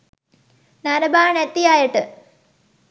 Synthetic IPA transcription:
nɐɾɐbaːɳet̪ːijaːjɐʈːɨ

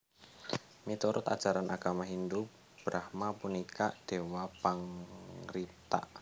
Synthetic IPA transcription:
mit̪uɾʊt̪a̰̥ʒ̥aɾanʔaɡ̥amaɦind̪u | b̥ɾahmapunikaʔd̪̥ewapaŋɾit̪a̰ʔ

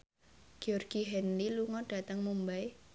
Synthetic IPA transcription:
ɡ̥iɔrɡ̥iɦɛnliluŋɔɖ̥a̤t̪əŋmumbaj

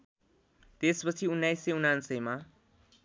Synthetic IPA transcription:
t̪espʌt͡sʰiunːajseunansʌjma

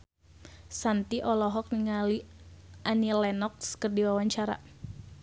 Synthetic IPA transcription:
sant̪iʔɔlɔɦɔk̚niŋaliʔanilɛnɔk̚skərdiwawaɲt͡ʃaɾa̰

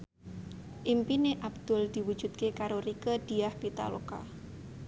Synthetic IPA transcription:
ʔimpineʔabd̪̥ʊld̪̥i̤wu̥d͡ʒ̥ṳt̪̚kekaɾoɾikəd̪̥iahbit̪a̰lo̰ka̰

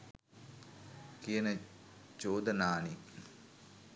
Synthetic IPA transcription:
kijənə | t͡ʃoːd̪ənaːni

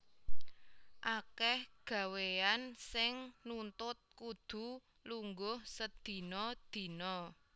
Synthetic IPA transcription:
ʔakɛhɡ̥ä̤weansɪŋnunt̪ʊt̪̚kud̪̥ṳ | luŋɡʊhsəd̪̥i̤nɔd̪̥i̤nɔ

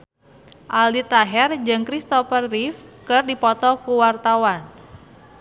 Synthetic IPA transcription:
ʔalit̪aɦɛrd͡ʒɨŋkɾist̪ɔfərːifkərdipɔt̪ɔkuwart̪awan

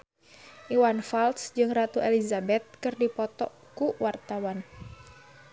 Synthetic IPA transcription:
ʔiwanfalsd͡ʒɨŋrat̪uʔelizabɛt̪̚kɨrdipɔt̪ɔ̰ | kuwart̪awan

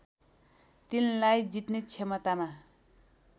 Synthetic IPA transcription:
t̪inlajd͡zit̪net͡sʰemʌt̪ama

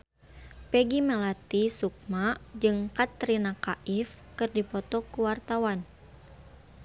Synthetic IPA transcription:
pɛɡimɛlat̪isuk̚mad͡ʒɨŋkat̪ɾinakaʔifkɨrdipɔt̪ɔkuwart̪awan

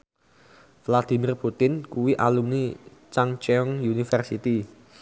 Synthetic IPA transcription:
flad̪̥i̤mirput̪ɪnkuwiʔalumnit͡ʃaŋt͡ʃɛɔŋjunifərsit̪i

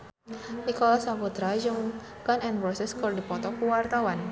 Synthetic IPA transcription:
nikɔlasaput̪ɾad͡ʒɨŋ | kanɛnpɾɔsɛskɨrdipɔt̪ɔkuwart̪awan

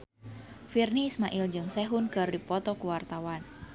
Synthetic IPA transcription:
firniːsmaʔild͡ʒɨŋsɛɦʊnkɨrdipɔt̪ɔkuwart̪awan

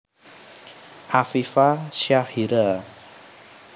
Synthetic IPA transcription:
ʔafifaʃahiɾa

